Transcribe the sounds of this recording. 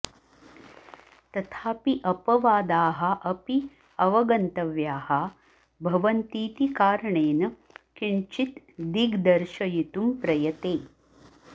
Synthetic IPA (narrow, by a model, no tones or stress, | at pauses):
t̪ɐt̪ʰaːpiʔɐpɐʋaːd̪aːɦɐʔɐpi | ɐʋɐɡɐnt̪ɐʋjaːhɐ | bʱɐʋɐnt̪iːt̪ikaːɾɐɳeːnɐ | kiɳt͡ʃit̪ | d̪iɡd̪ɐɾʃɐjit̪umpɾɐjɐt̪eː